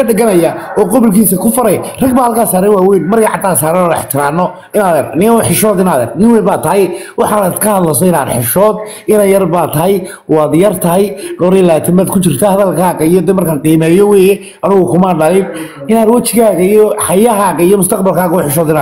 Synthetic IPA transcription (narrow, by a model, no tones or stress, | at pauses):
ɐɖɐɣɐnɐjaɔːqʊβʊlkʰiːsɐkʰʊfɐɾɐjrɐɡbaːhɐlkʰaːsaːɾɛnwaːwɛjnmɐrjɐʕɑd̪aːsaːɾɛnɔːɪ̰ħt̪ʰɪɾaːnːɔ | ɪnaːðɛrnɪʊħɪʃɔːd̪ɪnaːðɛrnɪŋwɛːbaːt̪ʰɐɦɛjwɑħɑnaːd̪kʰɐhɐðlɐsɔɪna̰ːd̪ħɪʃɔːd̪ | ɪnɐjɐrbaːt̪ʰɐɦɛj | wɑːd̪jɐrt̪ʰɐɦɛjɡɔːɾiːlaːt̪ʰɪmbaːd̪kʰʊt͡ʃɪrt̪ʰahaðɐlkʰaːɣɐijɔd̪ɛːmɐrkʰaːŋqiːmɛːjɔwɛːjɛ | ɐnɪɣʊkʰʊmaɖɐlɪ | ɪnaːd̪wɐt͡ʃɪɣaːɣɐijɔħɑjɐɦaːɣɐɪjɔmʊst̪ʰɐqbɐlkʰaːɣɐʊħɪʃɔːd̪ɪnaː